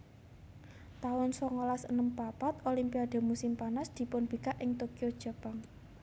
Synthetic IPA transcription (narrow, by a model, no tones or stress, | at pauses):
t̪aʊnsɔŋolasə̰nəmpapat̪olimpiad̪̥o̤musɪmpanasd̪̥i̤pʊnb̥i̤kaʔɪŋt̪okiod̥ʒ̥a̤paŋ